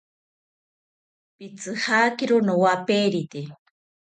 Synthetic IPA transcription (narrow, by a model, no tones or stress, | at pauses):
pit͡sɨhakiɾʊnowapeɾit̪e